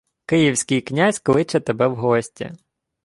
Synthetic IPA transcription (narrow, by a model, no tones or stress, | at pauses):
kɪjiwsʲkɪjknʲasʲkɔlˠɪt͡ʃɛt̪ebɛwɦɔsʲtʲḭ